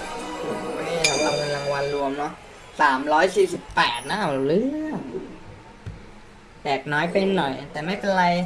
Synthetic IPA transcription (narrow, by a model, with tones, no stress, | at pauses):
we˧˩la˧ŋwa˧ne˧nɾa˧ŋwa˧nɾu˧əmnɔ˦˥ | saː˩˦mɾɔː˦˥jsiː˨˩si˨˩pːɛː˨˩t̪̚na˦˥ʔa˨˩˨lɯ˦˥ | tɛː˨˩k̚nɔː˦˥jpe˧nːɔ˨˩jt̪ɛː˨˩ma˥˩jpe˧nɾa˧j